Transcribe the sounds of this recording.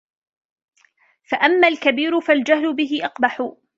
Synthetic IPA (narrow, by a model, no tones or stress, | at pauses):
faʔamːaːlkabiːɾʊfald͡ʒahlʊbɪɦɪʔɑqbaħʊ